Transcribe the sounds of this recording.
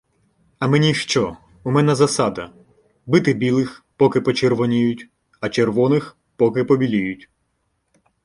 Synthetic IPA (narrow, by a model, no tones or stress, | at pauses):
ɐmenʲiʃt͡ʃɔ | umɛnɛzɐsɑd̪ɐ | bɪt̪ɪbʲilˠɪxpɔkɪpɔt͡ʃerʋɔnʲijʊtʲ | ɐt͡ʃerʋɔnɪx | pɔkɪpɔbʲilʲijʊtʲ